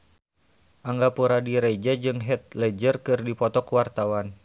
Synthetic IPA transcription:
ʔaŋɡapuɾadiɾɛd͡ʒad͡ʒɨŋɦɛt̪̚lɛd͡ʒərkɨrdipɔt̪ɔkuwart̪awan

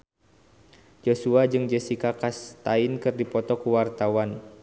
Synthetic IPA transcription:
d͡ʒosuad͡ʒɨŋd͡ʒɛsikakast̪aɪnkɨrdipɔt̪ɔkuwart̪awan

